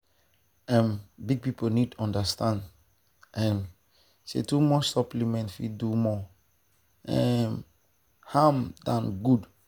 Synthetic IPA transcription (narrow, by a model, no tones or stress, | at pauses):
ɛ̃mbiɡ̚pipʰonitɔ̃ndəstãnd | ɛ̃m | sḛtumɔsɔplimɛ̃ntfḭdumɔ | ɛm | hamdãnɡud